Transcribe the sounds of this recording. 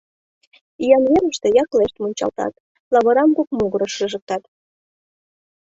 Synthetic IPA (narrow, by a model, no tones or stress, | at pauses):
ijɑnβeɾəʃt̪e̽jɑkleʃt̪monʲt͡ɕɑ̰lt̪ɑ̰t̪ | lɑβɤ̆ɾɑmkokmoɣəɾɤʃɯʒə̆k̚t̪ɑt̪